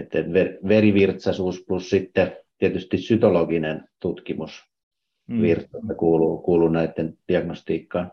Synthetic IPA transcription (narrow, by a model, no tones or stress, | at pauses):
et̪ːenʋerʋeriʋirt̪sɑsuːsplussit̪ːet̪iet̪yst̪issyt̪oloɡinent̪ut̪kimus | ʋirt̪sɑst̪ːɑkuːlukuːlunæit̪ːend̥iɑɡ̥nost̪iːkːɑːn